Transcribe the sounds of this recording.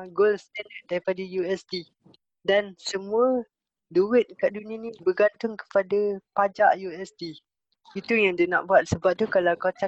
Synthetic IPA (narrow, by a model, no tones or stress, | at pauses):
ɡolst̪andət̪̚daɾipadajuɛsd̪i | dansəmũə | duwɪt̪̚kaʔdunə̃nĩbəɡant̪ʊŋkə̥padapad͡ʒa̰ʔjuɛsdi | it̪ujãŋdənã̰ʔbuat̪̚səbap̚t̪ukalawkat͡ʃa